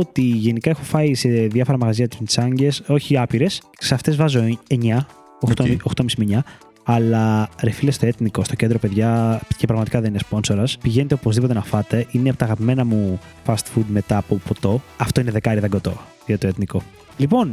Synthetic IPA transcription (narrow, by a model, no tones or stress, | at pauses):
ot̪iʝe̞nikɐexofɐise̞ðjɐfo̞ɾɐmɐɣɐziɐt̪i̥t̪i̥sɐɲɟe̞so̞çiɐpiɾe̞s | seɐft̪e̞zvɐzoeɲɐ | t̪oxt̪omisimiɲɐ | ɐlɐɾefilest̪o̞e̞t̪niko̞st̪oce̞nd̪ɾo̞pe̞ðʝɐcepɾɐɣmɐt̪ikɐðe̞ninespo̞nso̞ɾɐspiʝene̞t̪eopo̞zðipo̞t̪̬enɐfɐt̪e̞ʔineɐpot̪ɐːɣɐpime̞nɐmu | fɐst̪fud̪me̞t̪ɐːpopo̞t̪o̞ɐft̪oine̞ðe̞kɐɾiðɐŋɡo̞t̪o̞ | ɐt̪oet̪niko̞ | lipo̞n